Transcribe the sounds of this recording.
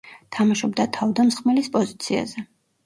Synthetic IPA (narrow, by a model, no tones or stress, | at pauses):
t̪ʰamaʃɔbd̪at̪ʰavd̪amsχmɛlispʼɔzit̪sʰia̰zɛ